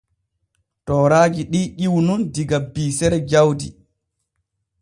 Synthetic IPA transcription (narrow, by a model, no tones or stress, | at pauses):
tɔːɾaːd͡ʒiɗiːʔiwnundiɡabːiːsɛɾɛd͡ʒawdḭ